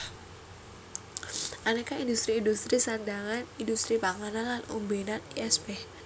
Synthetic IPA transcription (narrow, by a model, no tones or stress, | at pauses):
ʔanekaindust̪ɾiːndust̪ɾisand̪aŋanindust̪ɾipaŋananlanṵmbenaniɛsbɛh